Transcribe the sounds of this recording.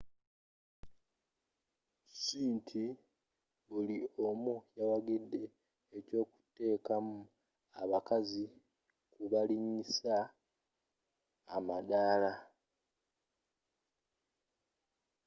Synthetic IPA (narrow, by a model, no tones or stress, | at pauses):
siːntʰi | βuliomujawaɡidːe̞ː | co̞ːku̥te̞ːkamu | aβakazi | kuβaliɲisa | madaːla